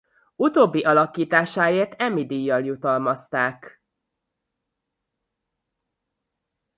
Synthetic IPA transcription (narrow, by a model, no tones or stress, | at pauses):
ut̪oːbːiʔɒlɒkiːt̪aːʃaːeːrt̪ɛmːid̪iːjːɒljut̪ɒlmɒst̪aːk